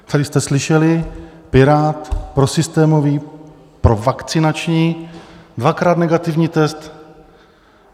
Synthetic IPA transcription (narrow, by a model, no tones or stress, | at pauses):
t̪adɪst̪ɛslɪʃɛlɪpɪɾaːt̪pɾosɪst̪ɛːmoviː | pɾo̞vakt͡sɪnat͡ʃɲiːdvakɾaːt̪nɛɡat̪ɪvɲiːt̪ɛst̪